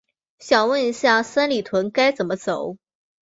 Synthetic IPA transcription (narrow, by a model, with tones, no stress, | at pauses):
ɕjɑ˨˩ŋwə˥˩ni˧˥ɕja˥˩sa˥nli˨˩t̪ʰwə˧˥nka˥ɪt͡sə˨˩nmə˦t͡so˨˩˦ʊ